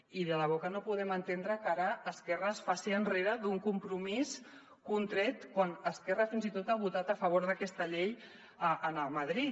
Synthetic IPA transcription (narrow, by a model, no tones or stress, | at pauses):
iðələβokənopuðɛmənt̪end̪ɾəkaɾəːskɛrəːsfasiənreɾəðuŋkumpɾumis | kunt̪ɾɛt̪kwanəskɛrəfinzit̪ot̪aβ̞ut̪at̪əfəβ̞oɾðəkɛst̪əʎej | əənəməðɾi